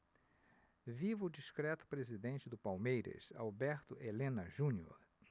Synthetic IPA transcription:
vivʊːd͡ʒiskɾɛt̪ʊ̥pɾezid̪ẽnt͡ʃɪd̪ʊpawmejɾɐ̰sa̰wbɛɾt̪ʊʔelẽnɐʒũnio̰ɾ

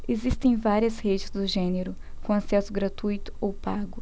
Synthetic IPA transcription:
ezist̪ẽj̃vaɾiɐshed͡ʒɪzd̪ʊʒẽneɾʊ | kõasɛsʊɡɾat̪ujt̪ʊ̥owpaɡʊ

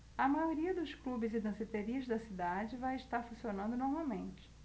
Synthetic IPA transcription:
ɐmajoɾiɐd̪ʊsklubɪzɪd̪ɐ̃zit̪eɾiɐzd̪ɐsid̪ad͡ʒɪvajɪʃt̪aɾfũsionɐ̃nd̪ʊnoɾmawmẽnt͡ʃɪ̥

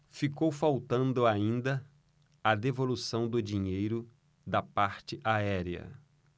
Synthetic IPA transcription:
fikowfawt̪ɐ̃nd̪ʊaĩnd̪ɐ | ɐd̪evolusɐ̃w̃d̪ʊd͡ʒiɲejɾʊ | d̪ɐpaɾt͡ʃɪʔaɛɾiɐ̰

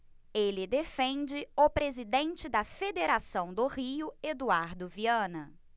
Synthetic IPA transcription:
elɪd̪efẽnd͡ʒɪʊpɾezid̪ẽnt͡ʃɪd̪ɐfed̪eɾasɐ̃w̃d̪ʊhiʊed̪uaɾd̪ʊviɐ̃nɐ

